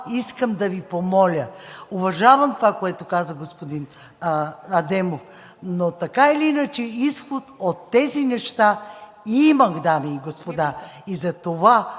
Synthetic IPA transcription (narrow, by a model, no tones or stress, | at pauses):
iskəmd̪ɐvipomɔlʲəovɐʒavɐmt̪ovakoɛt̪okazəɡospod̪in | ɐd̪ɛmof | not̪ɐkaɛliinɐt͡ʃɛisxot̪ot̪ːɛzinɛʃt̪a | imɐɡd̪amiːɡospod̪aizɐt̪ova